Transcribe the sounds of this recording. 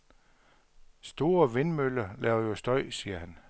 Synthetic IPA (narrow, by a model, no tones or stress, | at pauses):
sd̥o̝ːɐʋe̝nmølɐlɛːʊɐjo̝sd̥ɒɪ̰siːɐhæn